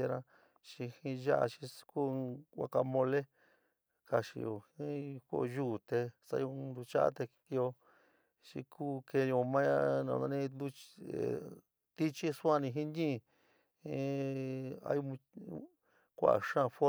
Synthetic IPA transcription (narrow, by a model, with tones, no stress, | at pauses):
e˧ɾã˧ | t͡ʃi˧hĩ˧ʒa˦ʔa̰˧ʃi˧ku˦a̰˧ka˧mõ˧le˦ | ka˧ʃḭ˧o̰˧˨hĩ˦ko̰˦˧ʒu˦˨t̪e˧sa̰˧jo˧nd̪u˧t͡ʃa˦a̰˦t̪e˧ki˧o˧ | t͡ʃḭ˧kʰuː˦ke˧jo˧mã˦ja˦nã̰˧˨˧nã˧nĩ˧d̪u˧ḛ˨ | t̪i˦t͡ʃi˦su˦ã˦˧nĩ˧ɦĩ˦ɲĩ˦˧˨ | hĩ˧˦ | a̰˧ju˧mũ˧ | kʷa̰˨ʔa̰˨ʂã˦˧˨fo˦